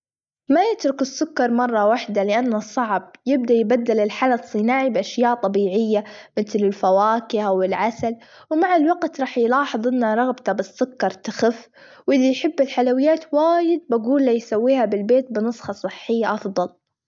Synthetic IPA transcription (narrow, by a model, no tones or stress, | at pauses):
majɪt̪ɾʊkɪsːʊkːɑɾˤmɑrˤːɑwaħd̪alɪʔanːasˤːɑʕb̚jɪb̚d̪ajbad̪ːɪlɪlħalasˤːɨnaːʕibʔaʃjaːʔt̪ˤɑbiːʕɪjːamɪt̪lɪlfawaːkɪhawɪlʕasal | wmaʕalwaɡt̪ɾˤɑːħjlɑːħɨðˤʔɪnːaɾˤɑɣbt̪abɪsːʊkːɑɾˤt̪axɪf | wʔɪlːijħɪbːɪlħalawɪjːaːt̪waːjɪd̪̚baɡuːlːajsawːiːhabɪlbeːt̪̚bɪnɨsˤxɑsˤɨħːɪjːaʔɑfðˤɑl